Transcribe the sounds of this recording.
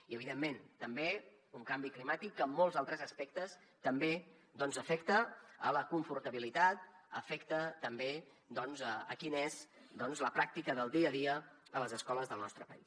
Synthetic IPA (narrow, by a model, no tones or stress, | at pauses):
iəβiðemːent̪əmbe | uŋkambiklimat̪ikːəmːɔlˠzalˠt̪ɾəzəspɛk̚t̪əs | t̪əmbe | d̪ɔnzəfɛkt̪əələkuɱfuɾt̪əβ̞ilit̪at̪̚ə̰fɛkt̪ət̪əmbe | d̪ɔnzəəkinezd̪ɔnzləpɾak̚t̪ikəðəlˠd̪iəðiəələzəskɔləzðəlˠnɔst̪ɾəpəis